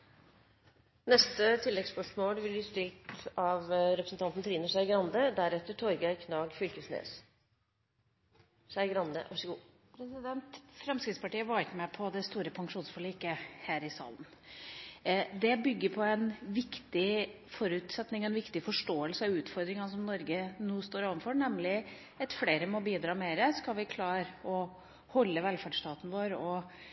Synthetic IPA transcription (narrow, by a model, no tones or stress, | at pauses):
nɛst̪ət̪ʰɪlːɛɡspœʂmoːlʋɪlbliːst̪ɪlt̪ɑʋɾɛpɾəsn̩t̪ʰɑnt̪n̩t̪ʰɾiːnəʂæɪɡɾɑnd̪əd̪æɾɛt̪əʈʰɔɾɡæɪkʰnɑːɡfʏlkəsnḛːs | sæɪɡɾɑnd̪ə̰ʔɑʂəɡuː | pʰɾɛsɪd̪ɛnt̪fɾɛmskɾɪt̪spɑʈiːəʋɑːɾt̪mɛpʰɔd̪ɛst̪uːɾəpʰɑŋʂuːnsfɔɭiːkəhæːɾɪsɑ̰ːlən | d̪ɛbʏɡːəɾpʰɔɛnʋɪkt̪ɪ | fɔɾʉːt̪sɛt̪nɪŋɛnʋɪkt̪ɪfɔʂʈoːəlsəɑʋʉːt̪fɔɾd̪ɾɪŋɑsɔmnɔɾɡənuːst̪oːɾɑːʋənfɔnɛmlɪ | ɛt̪fleːɾəmɔbiːd̪ɾɑːmeːɾəskɑlʋɪkʰlɑːɾɔ | hɔlːəʋɛlfæɖʂt̪ɑːt̪nʋoːɾɔ